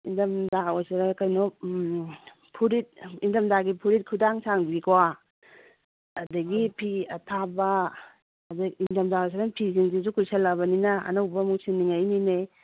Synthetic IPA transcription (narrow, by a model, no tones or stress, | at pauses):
indɐmdaojsaɾakajnɔ | pʰuɾit̚indɐmdaɡipʰuɾit̚kʰudaŋsaŋbikowa | dɐɡipʰiɐtʰabɐː | dɐindɐmdaojs̬aɾanpʰiziŋzizukʰuselɐbɐninɐɐ̰nawbɐmuŋsinːiŋajnine